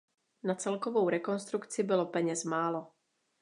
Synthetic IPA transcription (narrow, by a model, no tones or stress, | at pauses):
nat͡sɛlkovo̞wɾɛko̞nst̪ɾukt͡sɪbɪlo̞pɛɲɛsmaːlo̞